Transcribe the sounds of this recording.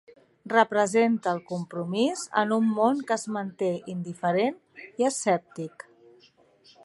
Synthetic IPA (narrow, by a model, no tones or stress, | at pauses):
rəpɾəzent̪əːlˠkumpɾumizə̰numːonkəːzmənt̪eind̪ifəɾen | iəsɛp̚t̪ik